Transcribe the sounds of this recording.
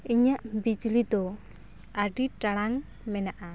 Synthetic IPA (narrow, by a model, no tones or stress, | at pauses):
iɲaʔmbid͡ʒlit̪o | ʔaɖiʈaɾaŋ | mɛnaʔa